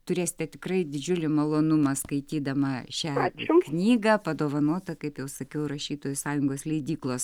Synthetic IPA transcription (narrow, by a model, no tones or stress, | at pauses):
t̪ʊɾʲeːsʲɪ̥t̪ʲɛt̪ʲɪkrɐɪd̪ʲɪd͡ʒʲʊlʲɪmɐlˠoːnʊmɐskɐɪt̪ʲiːd̪ɐmɐʃʲæːknʲiːɡɐpɐd̪oːʋɐnoːt̪ɐkɐɪpjɛʊsɐkʲɛʊɾɐʃʲiːt̪oːjʊsɑːjʊŋɡoːslʲɛɪd̪ʲiːklˠoːs